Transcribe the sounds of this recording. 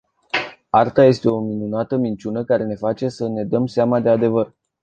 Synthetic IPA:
art̪aje̞st̪e̞o̞minunat̪əmint͡ʃunəkaɾe̞ne̞fat͡ʃe̞səne̞d̪əmseamad̪e̞ad̪e̞vər

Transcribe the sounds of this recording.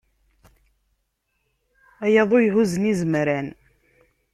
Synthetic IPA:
æjɑðˤojɦuzənizəmɾæn

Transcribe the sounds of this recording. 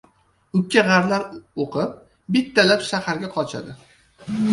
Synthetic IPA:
ʊkʲʰːaʁaɾlaɾoqʰɨp̚ | bɪt̪ʰːalapʃahaɾɡʲaqʰɒt͡ʃʰa̰d̪ɪ

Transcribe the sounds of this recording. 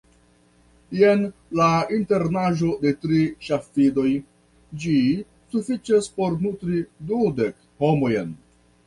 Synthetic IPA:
jenlainte̞ɾnaʒo̞de̞tɾiʃafido̞j | d͡ʒi | sufit͡ʃaspo̞ɾnutɾidude̞k | ho̞mo̞jen

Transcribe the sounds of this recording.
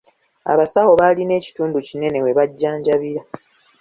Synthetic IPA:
a̰βasawo̞βaːline̞ːci̥tuːnducine̞ne̞we̞βaɟːaːɲɟaβiɾa

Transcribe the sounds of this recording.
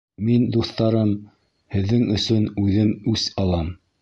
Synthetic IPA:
mind̪uθt̪ɑɾɤm | hɘ̆ðːɘŋɵ̆sɵnʉðɘmʉsɑlˠɑm

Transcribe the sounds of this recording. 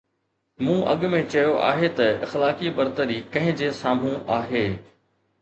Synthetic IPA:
mũːʔɐ̰ɠmẽt͡ɕɐjoʔa̰ːɦet̪ɐɪxlaːkibɐɾt̪əɾikɐ̃ɦɪ̃d͡ʑeːsaːm̤ũʔaːɦeː

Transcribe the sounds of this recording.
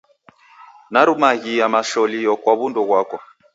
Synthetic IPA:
naɾumaɣijamaʃɔlijɔkwaβundɔɣwakɔ

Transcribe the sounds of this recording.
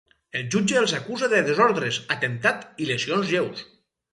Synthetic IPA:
elˠʒud͡ʒeːlˠzakuzaðeðezoɾðɾezat̪ent̪at̪ilesionzʒews

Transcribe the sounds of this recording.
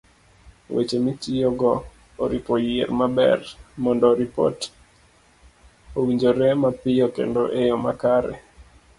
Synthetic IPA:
wʔḛt͡ʃemitijoɡɔ | oɾipojeɾmabɛ̰rmɔndɔɾipo̰t | owiɲd͡ʒoɾemapɪjokḛndoʔejomakaɾɛ̰

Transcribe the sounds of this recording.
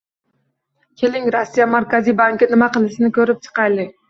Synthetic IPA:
kʲʰelɪŋɾosːijamaɾkʲʰazijbaŋkʲɪnɪmaqɨlˠɪsɪnɪkʲʰɵɾɪp̚t͡ʃʰɨ̥qɑjlˠɪ

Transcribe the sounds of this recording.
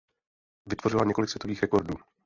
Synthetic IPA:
vɪt̪vo̞r̝ɪlaɲɛko̞lɪksvjɛt̪o̞viːxɾɛko̞ɾduː

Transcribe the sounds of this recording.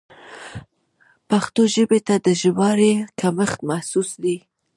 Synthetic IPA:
paxt̪oʒəbet̪ad̪əʒəwɑɾekaməxt̪mahsusd̪i

